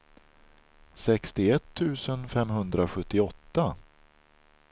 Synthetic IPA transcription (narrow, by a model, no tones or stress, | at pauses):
sɛkst̪ɪɛt̪ʰːʉ̟ːsənfɛmɦɵnd̪ɾaɧɵt̪ːɪɔt̪ːa